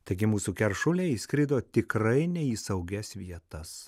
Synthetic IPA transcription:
t̪ɐɪɡʲɪmuːsuːkʲɛɾʃʊlʲeːisʲkɾʲɪd̪oːt̪ʲɪkɾɐɪnʲɛiːsɐʊɡʲɛsʋʲiɛt̪ɐs

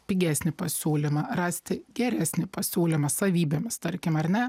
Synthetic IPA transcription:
pʲɪɡʲæːsʲnʲɪpɐsʲuːlʲɪmɐrɑːsʲt̪ʲɪɡʲɛɾʲæːsʲnʲɪpɐsʲuːlʲɪmɐsɐʋʲiːbʲemʲɪst̪ɐɾʲkʲɪmɐɾnʲɛ

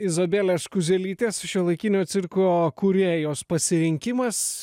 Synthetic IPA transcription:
ɪzobʲeːlʲeːskʊzʲɛlʲiːt̪ʲeːsʃʲolˠɐɪkʲɪːnʲoːt̪sʲɪɾkˠoːkʊɾʲeːjoːspɐsʲɪɾʲɪŋʲkʲɪmɐs

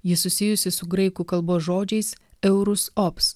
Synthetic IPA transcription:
jɪsʊsʲɪjʊsʲɪsʊɡɾɐɪkuːkɐlˠboːsʒoːd͡ʒʲɛɪsɛʊɾʊsɔps

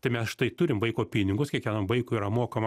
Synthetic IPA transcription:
t̪ɐɪmʲɛsʃʲɪ̥t̪ɐɪt̪ʊɾʲɪmʋɐɪkoːpʲiːnʲɪŋɡʊskʲiɛkʲʋʲæːnoːmʋɐɪkʊːiːɾɐmoːkɐmɐ

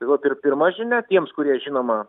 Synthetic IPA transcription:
t̪ʲɐɪʋɐpʲɪrpʲɪrmɐʒʲɪnʲæt̪ʲiɛmskʊɾʲiɛʒʲinoːmɐ

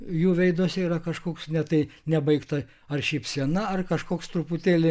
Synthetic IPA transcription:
juːʋʲɛɪd̪oːsʲɪiːɾɐkɐʃkoːksnʲɛt̪ɐɪnʲɛbɐɪkt̪ɐ | ɐrʃʲiːpsʲiɛnɐɐrkɐʃkoːkst̪ɾuput̪ʲeːlʲɪ

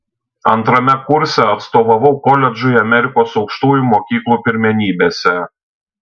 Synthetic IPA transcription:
ɐnt̪ɾɐmʲɛkʊɾʲsʲɛɐt̪st̪oːʋɐʋɐʊkɔlʲɛd͡ʒʊɪɐmʲɛɾʲɪkoːsɒʊkʃt̪uːjumoːkʲiːklˠuːpʲɪɾʲmʲɛnʲiːbʲeːsʲɛ

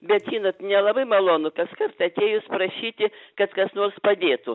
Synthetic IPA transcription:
bʲɛt̪ʒʲiːnot̪nʲɛlˠɐbɐɪmɐlˠoːnʊkɐskɐrt̪ɐt̪ʲeːjʊspɾɐʃʲiːt̪ʲɪkɐt̪kɐsnoːrspɐd̪ʲeːt̪ʊ

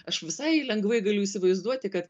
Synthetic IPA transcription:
ɐʃʋʲɪsɐɪlʲɛŋɡʋɐɪɡɐlʲʊiːsʲɪʋɐɪzd̪uɔt̪ʲɪkɐt̪

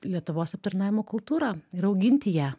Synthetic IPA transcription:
lʲiɛt̪ʊʋoːsɐp̚t̪ɐɾnɑːʋʲɪmoːkʊlˠt̪uːɾɑːɪɾɐʊɡʲɪnʲt̪ʲɪjæː

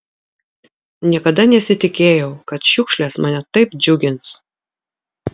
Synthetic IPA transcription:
nʲiɛkɐd̪ɐnʲɛsʲɪt̪ʲɪkʲeːjɛʊkɐt̪ʃʲʊkʃʲlʲɛːsmɐnʲɛt̪ɐɪpd͡ʒʲʊɡʲɪns

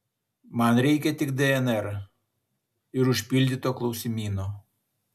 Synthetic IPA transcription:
mɑnɾʲɛɪkʲɛt̪ʲɪkd̪ʲɛɛnɛɾ | ɪɾʊʃʲpʲilʲd̪ʲit̪oːklˠɒʊsʲɪmʲiːnoː

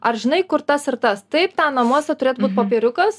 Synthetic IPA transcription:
ɐrʒʲɪnɐɪkʊɾt̪ɐsɪɾt̪ɐst̪ɐɪpt̪ɑnɐmuɔsʲɛt̪ʊɾʲeːt̪buːt̪̚popʲeːɾʲʊkɐs

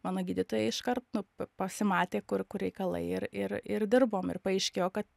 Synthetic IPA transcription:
mɑːnoːɡʲiːdʲɪt̪oːjɛɪɪʃkɐrt̪nʊɐpɐsʲɪmɑːt̪ʲeːkʊrkʊrɾʲɛɪkɐlˠɐ̰ɪɪɾɪɾɪrd̪ʲɪrboːmɪ̰rpɐɛɪʃʲkʲeːjoːkɐt̪

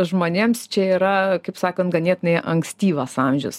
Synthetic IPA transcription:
ʒmoːnʲeːmst͡ʃʲɛiːɾɐkɐɪpsɑːkoːnt̪ɡɐnʲiɛt̪ʲnɐɪʔɐŋksʲt̪ʲiːʋɐsɑːmʲʒʲʊs

